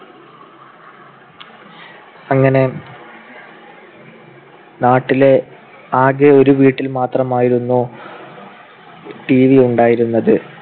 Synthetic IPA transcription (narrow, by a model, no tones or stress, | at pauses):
ɐŋːɐne̞ | naːʈːile̞ | aːɣeo̞ɾuʋiːʈːilmaːt̪rɐmaːjiɾunːu | ʈiːʋiuɳɖaːjiɾunːɐðɨ